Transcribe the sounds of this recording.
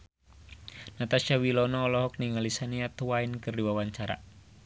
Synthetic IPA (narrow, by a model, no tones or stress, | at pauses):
nat̪aʃawilɔnɔːlɔɦɔk̚niŋalisaniat̪uwaɪnkərdiwawaɲt͡ʃaɾa̰